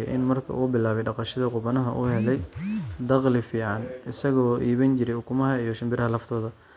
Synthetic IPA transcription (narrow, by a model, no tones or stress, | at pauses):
jʔɪ̰nmɐrkʰɐ̰ʔuːbɪlaːβɛjɖɑqɑʃɐðɐqʊβɐnɐɦɐʔuːhɛlɛjd̪ɑqlɪfiːʕɑnɪsɐɣɔːʔiːβɐnt͡ʃɪɾɛjʊkʰʊmɐɦɐijɔʃɐmbɪɾɐɦɐlɐft̪ʰɔːðɐ